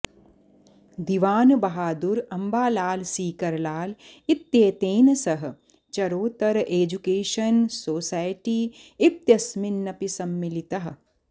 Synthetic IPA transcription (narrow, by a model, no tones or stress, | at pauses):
d̪iʋaːnɨbɐɦaːd̪uɾɐmbaːlaːlsiːkɐɾlaːlit̪jeːt̪eːnɐsɐɦɐ | t͡ʃɐɾoːt̪ɐɾɐʔeːd͡ʒukeːʃɐnsoːsaːjʈiːit̪jɐsminːɐpisɐmːilit̪ɐɦɐ̆